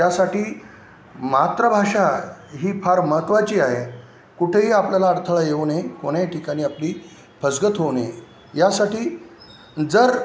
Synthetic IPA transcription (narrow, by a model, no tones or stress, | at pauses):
jasaʈiː | mat̪ɾəbʱaʂaɦiːpʰaɾməɦət̪ʋat͡ɕiːaɦe | kuʈʰeɦiːapljalaːɽt̪ʰəɭajeʋnekoɽ̃aʈʰikaɽ̃iːapliː | pʰəd͡zɡət̪ɦone | jasaʈiː | d͡zəɾ